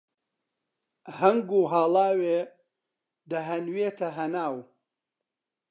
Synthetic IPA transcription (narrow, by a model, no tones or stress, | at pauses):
hɐŋɡuːɦaːlˠaːweː | d̪ɐɦɐnweːt̪ʰɐɦɐnaːw